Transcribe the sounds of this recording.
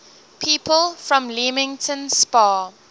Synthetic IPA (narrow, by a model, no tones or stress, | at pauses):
pʰiːpʰəlfɹɔ̃mlimɪ̃ŋtʰə̃nspaː